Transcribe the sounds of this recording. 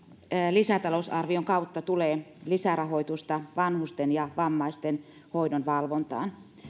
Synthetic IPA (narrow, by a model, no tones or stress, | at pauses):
lisæt̪ɑlosɑrʋioŋkɑut̪ːɑt̪uleːlisæɾɑɦoit̪ust̪ɑʋɑnhust̪enjɑʋɑmːɑist̪en | hoidonʋɑlʋont̪ɑ̰ːn